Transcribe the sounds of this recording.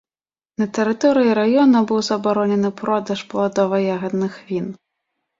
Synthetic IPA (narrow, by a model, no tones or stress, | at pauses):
nɐt̪ɛɾɨt̪ɔɾɨjiɾajɔnɐbɨwzɐbaɾɔnʲɛnɨpɾɔd̪ɐʂpɐlˠad̪ɔvɐjaɣɐd̪nɨxvʲin